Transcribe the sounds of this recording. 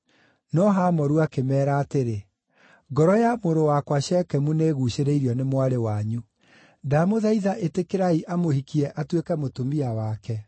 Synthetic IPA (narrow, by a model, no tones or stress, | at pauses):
nɔɦamɔɾuakemɛːɾaːteɾe | ɡɔɾɔjamoɾowakwaɕɛkɛmuneːɣuɕeɾeiɾiɔnemwaɾewaɲu | damoðaiðaʔetekeɾaiʔamohikiɛʔatwekɛmotomiawakɛ